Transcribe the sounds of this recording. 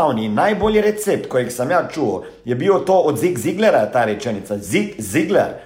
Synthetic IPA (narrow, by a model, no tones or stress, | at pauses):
awninajboːljiɾɛt̪sep̚t̪kojixsɐmjat͡ʃuo | jɛbiwt̪oːɔd̪ziɡziɡlɛɾat̪aːɾɛt͡ʃɛnit̪sazikziɡlɛɾ